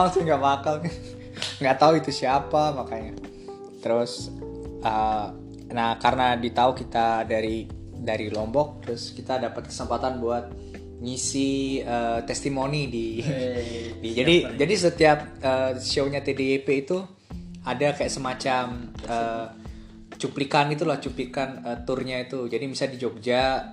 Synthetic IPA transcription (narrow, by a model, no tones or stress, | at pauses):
alt̪ʊŋɡaʔbakal | ŋɡaʔt̪auit̪usiapamakaɲa | t̪əɾʊs | ə | nahkaɾənadit̪aukit̪adaɾi | daɾilɔmbɔk̚t̪əɾʊskit̪adapat̪̚kə̥səmpat̪anbuat̪̚ | ɲisiət̪ɛst̪imonidi | d͡ʒadid͡ʒadisət̪iap̚əʃoɲat̪edeːpeit̪u | adakajaʔsəmat͡ʃaməː | t͡ʃuplikanɡit̪̬ulaht͡ʃuplikanət̪ʊrɲait̪ud͡ʒadimisaldid͡ʒok̚d͡ʒa